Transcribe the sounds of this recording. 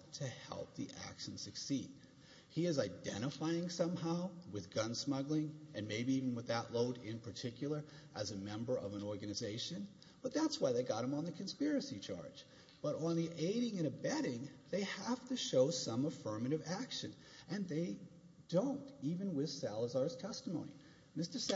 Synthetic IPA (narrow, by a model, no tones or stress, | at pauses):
tʰɨhɛ̰lˠp̚ðḭʔæ̰kʃn̩sɨksid̥̚ | hiɨzaɪdɛ̰̃ɾ̃ɨfaɪɪ̃ŋsʌ̃mhaʊwɨðɡʌ̃nsmʌɡlˠɪ̃ŋʔɨ̃nmeɪbiiṽn̩wəðəʔloʊɾɪ̃npʰə˞tʰɪkjl̩ˠə˞ʔɨzɨmɛ̃mbə˞ʔʌvə̃nɔɹɡɨnɨzeɪʃɨ̃n | b̥ʌt̪̚ðætswaɪðeɪɡɑɾ̚ɨ̃mə̃nðɨkʰɨ̃nspɪɹɨsit͡ʃʰɑ̰ɹd̥d͡ʒ | b̥ʌɾ̃n̩ðiʔeɪɾɪ̃ŋɨ̃ɾ̃ɨbɛɾɪ̃ŋðeɪhæftɨʃoʊsʌ̃məfɜ̃˞mɨɾɨvækʃɨ̃n | ʔɨ̃nðeɪ | d̥õʊ̃ntivɨ̃nwɪð̥sælˠəzɑɹz̥tʰɛstəmõʊ̃nḭ | mɪstə˞s